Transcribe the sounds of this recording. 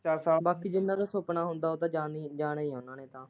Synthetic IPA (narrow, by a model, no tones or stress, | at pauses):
t͡ʃaːsaːbaːkiːd͡ʒɪnːãːd̪ãːsoːpnaːɦʊnd̪aːɦoːt̪ãːd͡ʒaːid͡ʒaːnaːiːãːnãːneːt̪ãː